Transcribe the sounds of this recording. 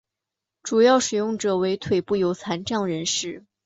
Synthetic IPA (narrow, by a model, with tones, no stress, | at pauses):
ʈ͡ʂu˨˩jɑ˥˩ʊʂɻ̩˨˩jʊ˥˩ŋʈ͡ʂɤ˨˩we˧˥ɪt̪ʰwe˨˩ɪpu˥˩jo˧˥ʊt͡sʰa˧˥nʈ͡ʂɑ˥˩ŋɻə˧˥nʂɻ̩˥˩